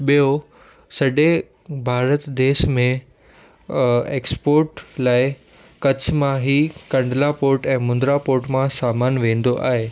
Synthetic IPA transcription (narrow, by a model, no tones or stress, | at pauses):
ɓijo | sɐɗe | bʱaːɾət̪d̪eːʃmẽ | eːkspoːɾʈlaːɪ | kɐt͡ɕʰmãɦikɐ̃ɳɖlapoːɾʈɛ̃ːmʊ̃nd̪ɾapoːɾʈmãsaːmaːnʋẽːn̆d̪oʔa̰ːɦeː